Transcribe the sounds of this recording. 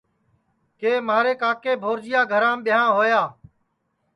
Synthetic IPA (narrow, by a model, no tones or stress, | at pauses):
keːmaːɾeːkaːkeːbʱoːɾd͡ʒɪjaːɡʱəɾãːɓɪjãːɦoːjaː